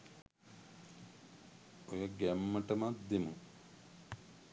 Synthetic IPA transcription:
ojəɡæmːəʈəmat̪̚d̪emuŋ

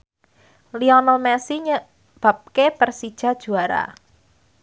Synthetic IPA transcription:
liɔnɔlmɛsiɲə | b̥a̤p̚kepərsid̥ʒ̥a̤d̥ʒ̥ṳaɾa̰

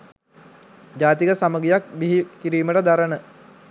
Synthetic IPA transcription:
d͡ʑaːt̪ikəsaməɡijak̚biɦikiɾiːməʈəd̪aɾənə

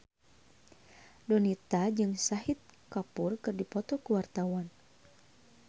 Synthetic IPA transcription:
dɔnit̪ad͡ʒɨŋsahit̪̚kapurkɨrdipɔt̪ɔkuwart̪awan

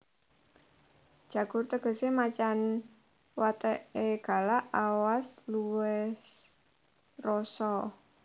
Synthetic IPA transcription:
d̥ʒ̥ä̤ɡ̥ʊrt̪əɡ̥ə̤semat͡ʃan | wat̪əʔeɡ̥a̤laʔawasluɛs | rɔsɔ

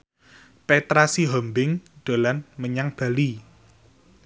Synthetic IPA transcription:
pet̪ɾasiɦɔmbɪŋd̪̥o̤lanməɲaŋb̥a̤li

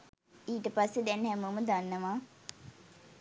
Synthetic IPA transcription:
iːʈəpasːed̪ɛnhɛmuːməd̪anːəʋaː

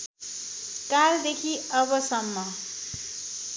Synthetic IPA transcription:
kald̪ekʰiʌbʌsʌmːʌ

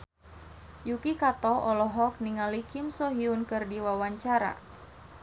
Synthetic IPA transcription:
jukikat̪ɔɔlɔɦɔk̚niŋalikimsɔɦiunkɨrdiwawaɲt͡ʃaɾa̰

